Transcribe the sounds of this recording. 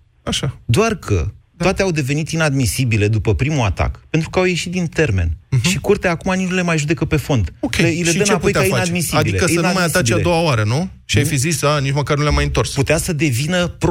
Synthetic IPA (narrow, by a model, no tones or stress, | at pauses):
aʃad̪oarkʰə̰t̪at̪eawd̪e̞ve̞nit̪inad̪misibile̞d̪upəpɾimua̰t̪a̰kpe̞nt̪ɾukəawje̞ʃit̪d̪int̪e̞rme̞̰nʃikurt̪eaakumaniule̞majʒud̪ekəpe̞fo̞nd̪okʲeleiledʃənapo̞j̪aaianad̪misiadiilekəiənumajjasaibt͡ʃiaed̪o̞waoaɾənu | ʃiajfizisanit͡ʃməkarnuleamajɨnt̪o̞rsput̪easəd̪e̞vinəpɾ